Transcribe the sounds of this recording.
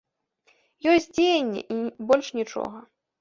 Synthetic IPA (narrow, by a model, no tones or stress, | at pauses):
jɔsʲtʲd͡zʲejenʲːɛ̰ʔibɔlʲʂnʲit͡ʂɔ̰ɣɐ